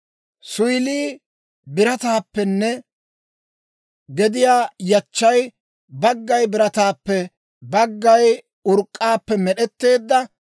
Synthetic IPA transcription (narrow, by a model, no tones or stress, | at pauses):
sʊjliː | bɪɾɐt̪aːpːɛnːɛ | ɡɛd̪ɪjaːjɐt͡ʃːɐj | bɐɡːɐjbɪɾɐt̪aːpːɛ | bɐɡːɐj | ʊɾkʼːaːpːɛmɛɗɛt̪ːe̞ːd̪ːɐ